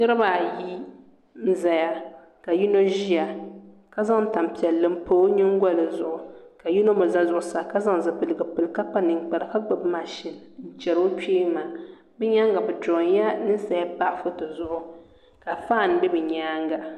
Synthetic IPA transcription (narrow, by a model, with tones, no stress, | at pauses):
nɨ˦ɾɨ˦baː˨ji˦ | n̩˦za˨ja˨ | ka˨ju˦no˦ʒi˦ja˨ | ka˦za˦ŋ˨ta˨m˨pi˨ɛ˨lːɨ˦m̩˦poː˦ɲɪ˦ŋ˦ɡɔ˦lɨ˨zʊ˦˨ʔʊ˨ka˨ju˦no˦mo˨za˦zʊ˨ʔʊ˨sa˨ka˦za˦ŋ˨zɨ˨pɨ˨lɨ˨ɡɨ˨pɨ˨lka˦k͡pa˦nɨ˨ŋ˨k͡pa˨ɾɨ˨ka˦ɡ͡bɨ˨bma˨ʃɪ˨nn̩˦t͡ʃɛ˨ɾo˦keː˦maː˨ | bɛ˦ɲa˦ŋɡa˨bɨ˨to˨ɲja˦nɨ˦sa˨ja˦pa˦ʔɪ˨fʊ˦tɨ˨zʊ˦ʔʊ˨ | ka˨faː˦˨n˨˦bɛ˦bɨ˨ɲaː˦ŋɡa˨